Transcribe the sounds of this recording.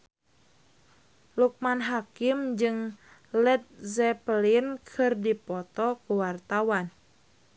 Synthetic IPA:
luk̚manɦakimd͡ʒɨŋ | lɛt̪̚zɛpəlinkʰɨrdipɔt̪ɔkuwart̪awan

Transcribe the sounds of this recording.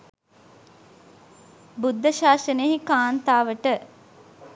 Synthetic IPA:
bud̪ːəʃaːsəneɦikaːnt̪aːʋəʈə

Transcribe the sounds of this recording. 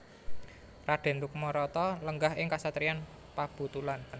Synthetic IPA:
raɖ̥e̤nd̪uk̚mɔɾɔt̪ɔləŋɡahɪŋkasat̪ɾian | pab̥ṳt̪ulan

